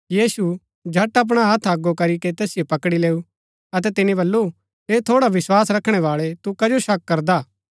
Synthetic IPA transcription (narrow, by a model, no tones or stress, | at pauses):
jiːsu | d͡ʒʱɐʈɐp̬ɽ̃aɦɐt̪ʰɐɡːokɐɾiket̪ɛːsɪjopɐkɽileːu | ɐt̪̬ɛt̪ɪnibɐlːu | eːt̪ʰoːɽaʋɪswaːsɾɐkʰɽ̃ɛʋaːɭɛt̪ukɐd͡ʒoʃɐkːɐɾd̪aː